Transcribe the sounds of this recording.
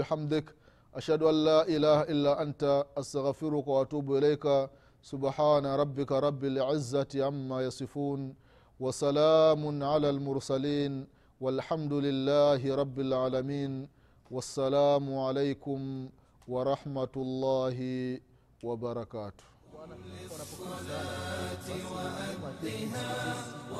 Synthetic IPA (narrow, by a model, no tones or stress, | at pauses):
bɪħamd̪ɪk | ʔaʃhaduʔalːaːʔɪlaːhaʔɪlːaːʔantaʔːst̪aɣfɪɾʊkawaatuːbʊɪlajka | sʊbħaːnaɾˤɑbːɪkaɾˤɑbːɪlʕɪzːatɪʕamːaːjɑsˤɨfuːn | wasalaːmʊnʕalaːlmʊɾsaliːn | walħamd̪ʊlɪlːaːɦɪɾˤɑbːɪlʕaːlamiːn | wasːalaːmʊʕalejkʊm | wɑɾˤɑħmatʊlˤːɑːɦɪ | wabaɾˤɑkaːtʊ̥h